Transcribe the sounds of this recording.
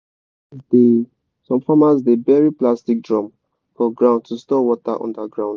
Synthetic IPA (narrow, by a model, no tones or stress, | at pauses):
de | sɔ̃mfɔmatsdebɛɹiplastik̚dɹɔ̃m | fɔɡɹãʊ̃ndtustɔwɔta̰ʔɔ̰̃ndaɡɹãʊ̃n